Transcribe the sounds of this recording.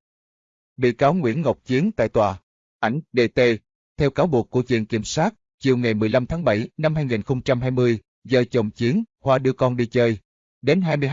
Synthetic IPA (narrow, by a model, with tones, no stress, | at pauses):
ɓḭ˧˨kaː˨˦wŋwḭ˧˥ənŋə˨˩wk͡p̚t͡ɕi˨˦ənt̪a̰ː˧˨jt̪waː˨˩ | ʔa˧˩jŋ̟ɗe˧t̪e˧ | t̪ʰɛ˧wkaː˨˦wɓu˨˩əkːu˧˩ət͡ɕwḭ˧˨ənkḭ˧˩mswaː˦˥t̚ | t͡ɕi˨˩əwŋa˨˩jmɨ˨˩əjla˧mt̪ʰaː˨˦ŋɓə˧˩jna˧mɦaː˧jŋi˨˩nxə˧wŋ͡mt͡ɕa˧mhɦaː˧jmɨ˧əj | zəː˧˩t͡ɕə˨˩wŋ͡mt͡ɕi˨˦ənxwaː˧ɗɨ˧əkɔ˧nɗi˧t͡ɕəː˧j | ɗe˨˦nɦaː˧jmɨ˧